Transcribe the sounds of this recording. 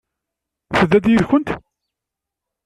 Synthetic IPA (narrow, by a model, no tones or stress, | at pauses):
θəðːæd̪jəðçʊnt̪